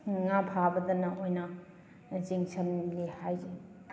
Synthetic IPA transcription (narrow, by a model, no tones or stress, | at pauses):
ŋapʰabɐd̪ɐnɐʔojnɐ | t͡ʃiŋsʰɐnlehajze